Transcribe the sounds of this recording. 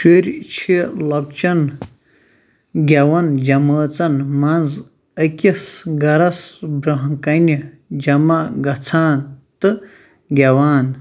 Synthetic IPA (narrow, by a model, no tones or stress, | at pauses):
ʃeɾʲt͡ʃʰilɐk̚t͡ʃɐn | ɡʲɐwɐnd͡ʒɐmɐːt͡sɐnmɐnz | ɐkʲisɡɐɾɐsbɾɐɦɐkɐnʲi | d͡ʒɐmɐɡɐt͡sʰaːnt̪ɨ | ɡʲɐwaːn